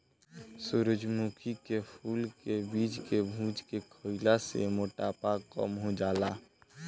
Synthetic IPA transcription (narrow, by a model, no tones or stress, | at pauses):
suɾəd͡ʒmukʰikepʰuːlkebiːd͡ʒkebʱũːd͡ʒkekʰoɪlasḛmoːʈapakkə̰mɦod͡ʒaːlaː